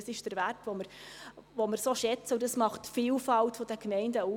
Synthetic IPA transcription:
sɪʃd̥əɾʋæɾtʋɔməɾʋoməɾsoːʃɛt͡səʊdɑsmɑχtfiːlfɑltfɔd̥əkmɛɪndəu

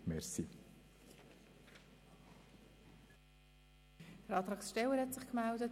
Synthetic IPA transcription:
mɛɾsi | d̥əɾɑːt̪ɾɑːksʃtɛlːəɾhɛtsɪχkmældət

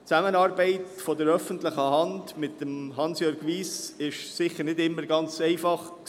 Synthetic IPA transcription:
t͡sæmənɑːɾbɛɪtfɔdəɾœfəntlɪχəhɑndmɪtːəmɦɑnsjøːɾɡʋiːsɪʃsɪχəɾnɪdɪmːəɾɡɑnt͡sɛɪfɑχ

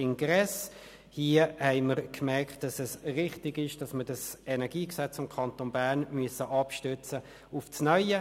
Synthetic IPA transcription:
ɪnɡʁɛs | hiːəhɛɪməʁkmɛkt̚d̥ɑsɛsʁɪχtɪɡɪʃd̥ɑsməɾd̥ɑsɛnɛʁɡiːksɛt͡sfɪmkʰɑntoːnbæːʁnmyəsəʔɑpʃtʏt͡sə | ʊfsnœʏə

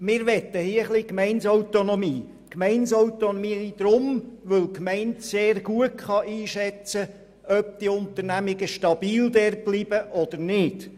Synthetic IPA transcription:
mɪːɾʋɛt̪ːəhiəχlikmɛɪnsɔwt̪onɔmiː | kmɛɪnsɔwt̪onmiːd̪̥ɾʊmʋɵlkmɛɪntseːrɡuətχɑʔiːʃɛt͡sə | œp̚t̪iʊnt̪əɾnæmɪɡəʃtɑb̥iːld̪ɛr̚b̥lib̥əʔɔd̪əɾnɪd̥

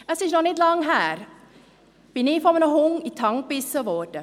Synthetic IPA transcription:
ɛsisnɔχnɛtlɐŋɦæːr | b̥inifɔmənəɦɔŋitʰɐŋpisəʋɔːrtə

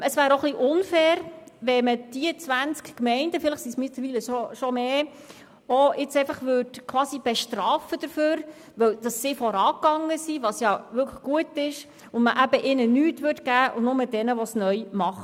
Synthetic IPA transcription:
əsʋæːɾoχliʔʊnfɛːɾʋɛməd̥iət͡sʋænt͡skkmɛɪndəfɪləχsismɪt̪ləɾviːləʃoʃɔmeː | oɪt͡sɛɪfɑχʋøːdkʰwɑːsib̥ɛʃtɾɑːfəd̥əɾføːɾ | ʋœwd̥ɑsːɪfɔɾɑːkɑŋːəsiʋɑsjɑʋʏkʰlə̥χɡ̥uətɪʃ | ʊnməʔæbəʔɪnənyːtʋøɾtɡæːʔʊnʊməd̥ɛnəʋɔsnœʏmɑχ

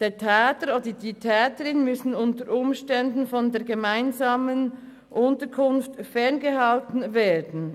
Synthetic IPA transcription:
d̥eːɐtʰɛːtəɾoːdditʰɛːtəɾɪnmʏsn̩ʊntəɾʔʊmʃtɛndn̩fɔndeːɐɡemaɪnzaːmən | ʔʊntəkʰʊnftfɛɐnɡəhaltn̩veːɐdn̩

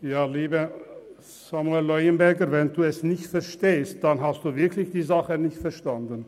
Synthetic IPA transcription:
jaːliːbə | z̥amuɛlːɔʏənbɛɐɡəvɛnduːɛsnɪçtfɛɐʃteːst̚d̥anɦastd̥uːvɪɐkʰlɪçd̥iːzaχənɪçtfɛɐʃtandən

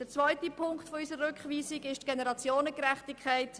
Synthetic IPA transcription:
d̥ət͡svœʏtipʰʊŋkχtfɔysəɾrʏkχʋiːsiɡɪʃtɡ̥enɛɾɑt͡sjoːnəkɾɛχtikʰχaɪt

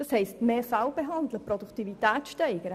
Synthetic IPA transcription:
d̥ɑshɛɪstmeːfælbeɦɑnd̪ləprɔduktivitæːt͡sʃtɛɪɡ̥əɾə

